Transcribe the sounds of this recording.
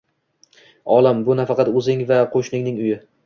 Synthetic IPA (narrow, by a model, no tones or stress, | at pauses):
ɒlˠambʊnafɑqɑt̪ɵzɪŋvaqʰoʃnɪŋnɪŋʊjɪ